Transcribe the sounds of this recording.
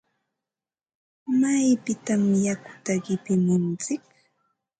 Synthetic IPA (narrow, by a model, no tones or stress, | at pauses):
amajpɪt̪amjakʊ̥t̪aɢɪpɪmɪnt͡sɪk̚